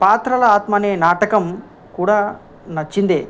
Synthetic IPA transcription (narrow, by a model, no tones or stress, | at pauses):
paːt̪ɾɐlɐaːt̪mɐneːnaːʈɐkɐm | kuːɽaː | nɐt͡ʃːind̪ḛː